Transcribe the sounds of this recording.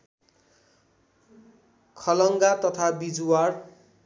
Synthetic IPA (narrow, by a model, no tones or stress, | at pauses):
kʰʌlʌŋɡat̪ʌt̪ʰabid͡zuwar